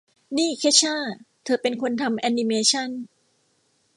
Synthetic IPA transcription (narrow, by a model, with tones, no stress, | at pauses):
niː˥˩kʰeː˦˥t͡ɕʰaː˥˩ | t̪ʰɤː˧pe˧nkʰo˧nt̪ʰa˧mʔɛ˧ni˧meː˧t͡ɕʰa˥˩n